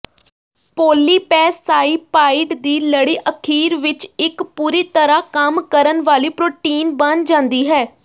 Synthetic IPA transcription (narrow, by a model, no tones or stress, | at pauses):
poːliːpɛːsːaːiːpaːɪɖd̪iːləɽiːʔəkʰiːɾʋɪt͡ʃɪkpuːɾiːt̪əɾaːkəmkəɾənʋaːliːpɾoːʈiːnbənd͡ʒãːnd̪iːɦɛː